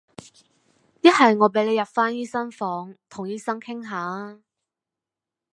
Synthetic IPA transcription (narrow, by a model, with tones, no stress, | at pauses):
jɐ˥t̚hɐ˨jŋɔː˨˧p̬e˨˥jle˨˧jɐ˨p̚faː˥njiː˥sɐ˥ŋfɔː˨˥ŋt̪ʰʊ˨˩ŋjiː˥sɐ˥ŋkʰɪ˥ŋɦaː˨˥